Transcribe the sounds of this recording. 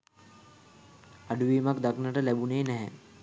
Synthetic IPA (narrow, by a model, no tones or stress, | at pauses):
aɖuʋiːmakd̪aknəʈəlæbuneːnɛɦɛ